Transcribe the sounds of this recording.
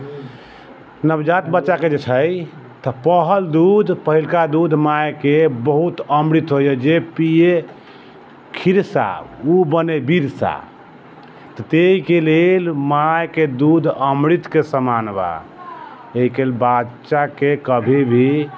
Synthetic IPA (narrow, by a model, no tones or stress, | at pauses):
nəbd͡ʒat̪bətːʃaked͡ʒet͡ʃʰəj | t̪əpəɦəld̪ud̪ʱpəɦilkad̪ud̪ʱmajkebəɦut̪əmɾit̪ɦojəd͡ʒepie | kʰiɾsa̰ubənebiɾsa̰ | t̪ət̪eikelelmajked̪ud̪ʱəmɾit̪kesəmanba̰ | eɦikeelbat͡ʃakekəbʱibʱi